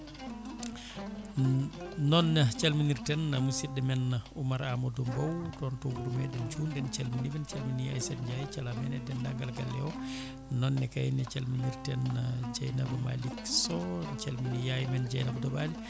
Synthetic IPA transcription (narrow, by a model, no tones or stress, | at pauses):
nɔnːat͡ʃalminiɾtɛnːamusidɛmɛnːaumaɾamɔdɔmbɔwtɔntɔɡudumɛdɛnt͡ʃundɛnt͡ʃalminivɛnt͡ʃalminijajsɛdd͡ʒajit͡ʃalamɛnɛdɛndaŋɡalɡalːɛɔ | nɔnːɛkajinɛt͡ʃalminiɾtɛnːad͡ʒajnabama̰liksɔt͡ʃalminijajmɛnd͡ʒajnabadɔbali